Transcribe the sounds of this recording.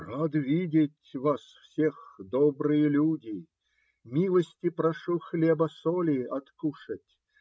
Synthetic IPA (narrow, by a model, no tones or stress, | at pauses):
rad̪vʲidʲɪtʲvasfsʲexd̪ɔbɾɨjəlʲudʲɪ | mʲilˠəsʲtʲɪpɾɐʂuxlʲebɐsɔlʲɪɐt̪kuʂətʲ